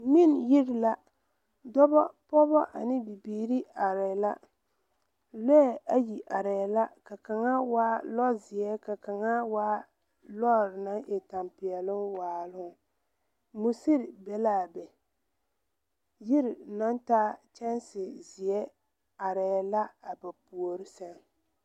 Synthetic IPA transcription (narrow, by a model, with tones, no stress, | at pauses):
mi˦nji˦ɾla˦ | dɔ˦bɔ˦pɔ˦bɔ˦ʔa˨nɪ˦bi˨biː˨˦ɾi˦a˨ɾɛ˨la˦ | lɛ˦ɛ˦˨ʔa˦ji˨ʔa˨ɾɛ˨la˦ka˨ka˨ŋa˦waː˦lɔ˦zɪ˨ɛ˦ka˨ka˨ŋa˦waː˦ | lɔ˦˨ɾɪ˨na˦ʔɛ˨ta˨mpɪ˨ɛ˨lʊ˦waː˨lʊ˦ʊ˨ | mu˦si˦ɾbɛ˨laː˦˨bɛ˨ | jɪ˦ɾɪ˨na˦ntaː˦t͡ʃɛ˦nsɪ˨zɪ˨ɛ˦ | a˨ɾɛ˨la˦a˨ba˨pu˨o˨ɾɪ˦sa˦n